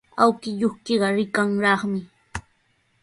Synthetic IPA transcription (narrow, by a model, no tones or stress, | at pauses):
awkɪʎoχkeɢɑɾɪkaŋɾɑχmɪ